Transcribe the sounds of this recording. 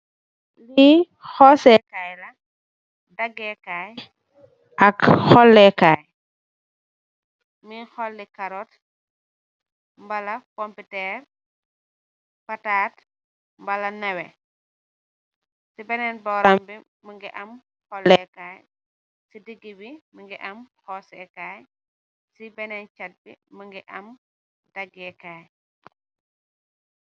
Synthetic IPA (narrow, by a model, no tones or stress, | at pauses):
li | xɔsɛkaːjlɐ | dɐɡːɛkaːj | ʔɐkhɔlːɛkaːj | mixɔlːikaɾɔt | mbɐlɐkompitɛːɾ | pataːt | mbɐlɐnɛwɛ | sibɛnɛnbɔɾambiməŋɡɛʔɐm | hɔlːɛkaːj | sidiɡibiməŋɡɛʔɐmxɔsɛkaːj | sibɛnɛnt͡ʃat̚bḭməŋɡɛʔɐm | daɡɛkaːj